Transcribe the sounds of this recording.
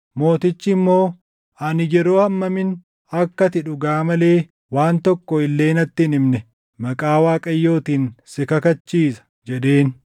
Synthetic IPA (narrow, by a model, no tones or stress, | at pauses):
mo̞ːt̪ɪt͡ʃːɪːmːo̞ː | ɐnɪd͡ʒɛɾo̞ːhɐmːɐmɪn | ɐkːɐt̪ɪᶑʊɡaːmɐle̞ː | waːnt̪ɔkːɔɪlːe̞ːnɐt̪ːɪnɪmnɛ | mɐkʼaːwaːkʼɐjːo̞ːt̪iːnsɪkɐkɐt͡ʃːiːsɐ̥d͡ʒɛɗe̞ːn